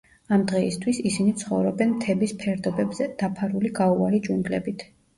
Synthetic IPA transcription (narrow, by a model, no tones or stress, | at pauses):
amd̪ʁɛist̪ʰwisisinit̪sʰχɔvɾɔbɛnmt̪ʰɛbispʰɛɾd̪ɔbɛbzɛd̪̥apʰaɾuliɡaualid͡ʒʼuŋɡlɛbit̪ʰ